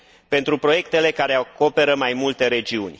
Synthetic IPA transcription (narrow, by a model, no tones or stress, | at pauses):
pe̞nt̪ɾupɾo̞je̞kt̪e̞le̞kaɾe̞ako̞pe̞ɾəmajmult̪e̞ɾe̞d͡ʒiunʲ